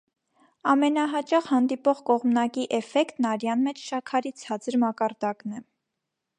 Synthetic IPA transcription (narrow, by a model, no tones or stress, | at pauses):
ɑmɛn̪ɑɦɑt͡ʃɑχhɑnd̪ipɔʁkɔʁmnɑkiʔɛfɛkt̪nɑɾjɑnmɛt͡ʃʰʃɑkʰɑɾit͡sʰɑt͡səɾmɑkɑɾd̪ɑknɛ